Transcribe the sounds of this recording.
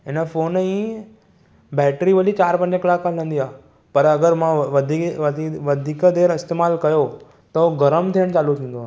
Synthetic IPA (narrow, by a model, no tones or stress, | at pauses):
ɪnəfoːnĩː | bɛːʈɾiʋəlit͡ɕaːɾpɐ̃ɲd͡ʑəklaːkaːlnə̃nd̪iaː | pɐɾɐɡəɾmãd̪ʱiʋɐd̪ʱiːkəd̪eːɾɪst̪eːmaːlkɐjo | t̪ɐoɡɐɾəmt̪ʰiəɽ̃t͡ɕaːlut̪ʰĩːn̆d̪oaː